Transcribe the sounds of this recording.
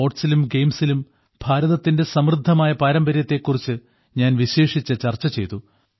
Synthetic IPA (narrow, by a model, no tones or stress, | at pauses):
o̞ːʈsilumɡe̞jmsilum | bʱaːɾɐðɐt̪ːinde̞sɐmrɨd̪ʱːɐmaːjɐpaːɾɐmbɐɾjɐt̪ːe̞ːkːurit͡ɕːɨ | ɲaːnʋiɕe̞ːʂit͡ɕːɨt͡ɕɐrt͡ɕːɐt͡ɕe̞jt̪u